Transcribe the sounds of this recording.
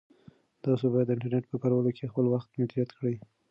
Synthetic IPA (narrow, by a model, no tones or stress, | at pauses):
d̪̥ɑsobɑjad̪ːəɪɳʈaɾneʈ̚pəkaɾwalokʰexpəlwaxt̪med̪ɾijat̪kɽəj